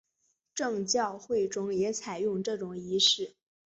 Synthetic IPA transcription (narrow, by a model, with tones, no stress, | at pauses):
ʈ͡ʂɤ˥˧ŋt͡ɕjɑ˥˧ʊxwe˥˩ɪʈ͡ʂʊ˥ŋjɛ˧˥t͡sʰa˨˩ɪjʊ˥˧ŋʈ͡ʂɤ˥˩ʈ͡ʂʊ˨˩ŋi˧˥ʂɻ̩˥˩